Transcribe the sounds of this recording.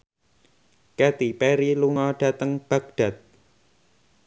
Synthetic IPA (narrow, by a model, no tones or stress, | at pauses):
kɛt̪ipɛɾiluŋɔɖ̥ä̤t̪əŋb̥äɡ̚d̥a̤t̪̚